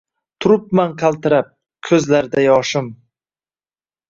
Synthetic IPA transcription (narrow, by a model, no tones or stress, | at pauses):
t̪ʰʊɾʊp̚manqʰalˠt̪ɪɾap̚ | kʲʰɵzlaɾd̪ajɒʃɪm